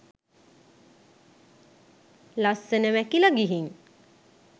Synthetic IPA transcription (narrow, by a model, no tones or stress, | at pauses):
lasːənəʋækiləɡiɦiŋ